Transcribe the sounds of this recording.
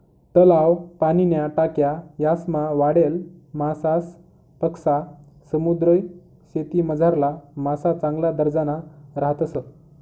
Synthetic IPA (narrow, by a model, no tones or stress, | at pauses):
t̪əlawpaninjaʈakjajasmaʋaɽelmasas | pəksa | səmud̪ɾəj | ɕet̪iməd͡zʱaɾlamasat͡sãŋɡlad̪əɾd͡zanaɾaɦət̪əsə